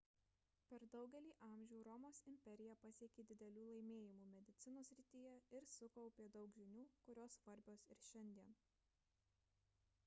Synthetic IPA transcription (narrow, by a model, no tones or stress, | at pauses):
pʲɛɾd̪ɒʊɡʲɛlʲiːʔɑˑmʲʒʲɛʊɾɔmoːsɪmʲpʲɛɾʲɪjɛpɐsʲiɛkʲeːd̪ʲɪd̪ʲɛlʲuːlˠɐɪmʲeːjɪmuːmʲɛd̪ʲɪt̪sʲɪnoːsʲɾʲɪt̪ʲiːjɛɪɾsʊkɔʊpʲeːd̪ɒʊkʒʲɪnʲuːkʊɾʲoːsʋɐɾʲbʲoːsɪ̰ɾʃʲɛnʲd̪ʲiɛn